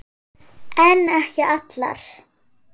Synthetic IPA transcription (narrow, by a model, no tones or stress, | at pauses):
ɛnːɛhcɪʔat̪la̰ɾ̥